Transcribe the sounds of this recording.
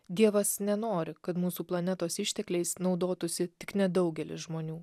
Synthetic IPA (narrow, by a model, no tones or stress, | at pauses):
d̪ʲiɛʋɐsnʲɛnoːɾʲɪkɐt̪muːsuːplˠɐnʲɛt̪oːsɪʃʲt̪ʲɛklʲɛɪsnɒʊd̪oːt̪ʊsʲɪt̪ʲɪknʲɛd̪ɒʊɡʲɛlʲɪ̰sʒmoːnʲuː